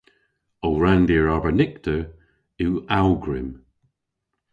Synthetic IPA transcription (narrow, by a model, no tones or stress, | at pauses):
owɹand̪iːɹɔbənɪk̚t̪ʰə | ɪwawɡɹɪm